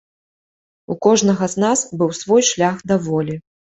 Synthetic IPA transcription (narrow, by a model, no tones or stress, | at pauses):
ukɔʐnɐɣɐznasbɨwsvɔjʂlʲaxd̪ɐvɔlʲi